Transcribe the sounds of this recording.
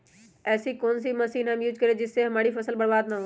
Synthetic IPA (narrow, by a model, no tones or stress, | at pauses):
ɛːsikoːnsimɐsiːnɦɐmjuːd͡ʒkɐɾed͡ʒɪsːeɦɐmaːɽifɐsəlbɐɽbaːd̪̚naõ